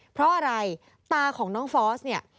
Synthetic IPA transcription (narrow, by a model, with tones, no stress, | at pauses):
pʰɾɔ˦˥ʔa˧ɾa˧j | t̪aː˧kʰɔː˩˦ŋnɔː˦˥ŋfɔː˦˥sni˥˩ɐ